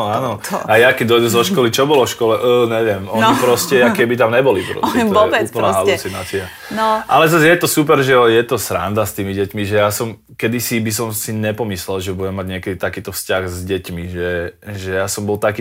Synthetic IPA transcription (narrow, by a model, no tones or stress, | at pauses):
aːnɔ | ajakɛɟd̪ɔjd̪uzɔʃkkɔlit͡ʃɔbɔlɔfʃkɔlɛʔəɲɛʋɪɛmɔnɲipɾɔscɛakɛbit̪amɲɛbɔlipɾɔ̰scɛɔɛuːpl̩naɦalut͡sinaːt͡sia | nʔalɛzazjɛt̪ɔsup̬ɛɾʒɛɔjɛt̪ɔsɾa̰nd̪ast̪iːmiɟɛcmiʒɛjasɔm | kɛd̪isibis̬ɔmsiɲɛpɔmislɛlʒɛbuɟɛmːaɟɲɪɛkɛd̪it̪akiːt̪ɔfscaɣzɟɛcmiʒɛʒɛjasɔmbɔlt̪akiː